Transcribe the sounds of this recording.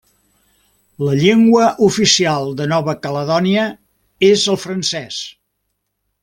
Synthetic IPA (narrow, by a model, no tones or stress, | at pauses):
ləʎeŋɡwəʔufisialˠd̪ənɔβəkələðɔniə | ezəlˠfɾənsɛs